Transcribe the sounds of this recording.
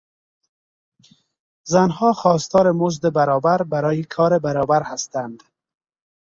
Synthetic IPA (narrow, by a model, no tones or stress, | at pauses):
zanɦɒxɔst̪ɒːɾɪmʊzd̪ɪbaɾɒbaɾbaɾɔːjikʰɒːɾebaɾɒbaɾhast̪and̪